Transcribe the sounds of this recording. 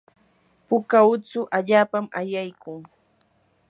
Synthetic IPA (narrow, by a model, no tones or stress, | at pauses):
pʊkaʊt͡sʊʔaʎaːpamajajkʊŋ